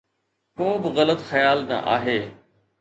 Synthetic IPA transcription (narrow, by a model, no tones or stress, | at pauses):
koːbɪɣɐlət̪xɐjaːlnã̰ːʔa̰ːɦeː